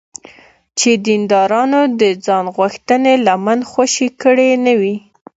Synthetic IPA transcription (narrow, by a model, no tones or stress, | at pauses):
t͡ʃed̪ind̪ɑɾɑnod̪əd͡zɑnɣwaxt̪ənelamanxwaʃikəɽenawi